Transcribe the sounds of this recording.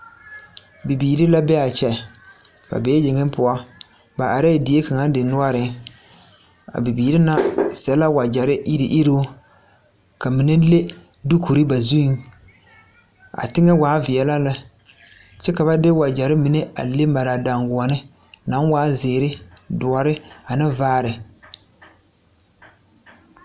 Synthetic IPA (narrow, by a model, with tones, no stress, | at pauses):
bi˨biː˨ɾi˦la˦bɛ˦a˨t͡ʃɛ˨ | ba̰˨beː˦d͡ʒɪ˨ŋɪ˦mpʊ˨a˦ | ba˨ʔa˨ɾe˦˨dɪ˨˦e˦ka˨ŋa˦n˦dɪ˨nʊ˦a˦ɾɪ˨ | a̰˨bi˨biː˨ɾi˦na˦sɛ˨la˦wa˨d͡ʒa˨ɾɪ˦ʔi˦ɾi˨ʔi˦ɾo˦ | ka˨mi˨nɪ˦le˦ | du˦ku˨ɾɨ˦ba˨zu˦n | a̰˨tɪ˦ŋa˦waː˨˦vɪ˨ɛ˨la˦la˨ | t͡ʃɛ˦ka˨ba˦dɪ˦wa˨d͡ʒa˨ɾɪ˦mi˨˦ne˦a̰˨le˦ma˨ɾa˨da˨ŋɡʊ˨ɔ˨nɪ˦ | na˦ŋ˦waː˦zeː˨ɾɪ˦dʊ˨ɔ˨ɾɪ˦a˨nɪ˦vaː˦ɾɪ˨